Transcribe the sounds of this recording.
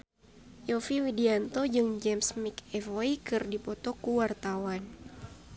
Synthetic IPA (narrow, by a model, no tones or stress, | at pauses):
jɔfiwidiant̪ɔd͡ʒɨŋd͡ʒɛmsmikɛfoikɨrdipɔt̪ɔkuwart̪awan